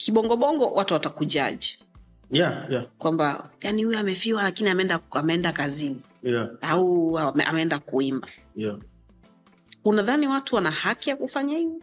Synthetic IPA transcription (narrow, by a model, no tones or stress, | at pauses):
kʰiɓɔŋɡɔɓɔŋɡɔwatuwatakud͡ʒa̰ʄi | jakwambajanihujɔamɛfiwalakiniamɛɛndaamɛɛndakazini | jaauamɛa̰mɛɛndakuimba | ja | unaðaniwatuwanahakijakufaɲahivɔ